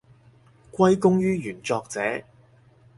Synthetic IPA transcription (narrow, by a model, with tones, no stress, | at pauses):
kʷɐ˥jkʊ˥ŋjyː˥jyː˨˩nt͡sɔː˧k̚t͡sɛ̰ː˨˥